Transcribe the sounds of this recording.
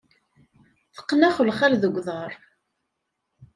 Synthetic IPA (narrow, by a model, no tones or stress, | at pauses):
θə̥qːnæχəlχaɾðəɡʷːðˤɑɾˤ